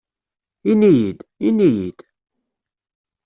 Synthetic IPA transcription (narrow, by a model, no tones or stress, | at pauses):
inijid̪inijid̪̥